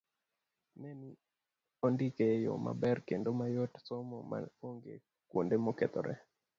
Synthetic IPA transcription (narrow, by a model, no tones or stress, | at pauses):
nɛni | ɔndikejo̰ma̰bɛrkendomajotsomɔma̰oŋɡḛ | kwondemokɛt̪ɔ̰ɾʔɛ̰